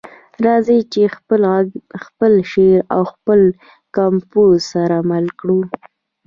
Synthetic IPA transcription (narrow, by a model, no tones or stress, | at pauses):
ɾɑzit͡ʃe | xpəlʃeɾa̰wxpəl | kamposaɾamalkɽu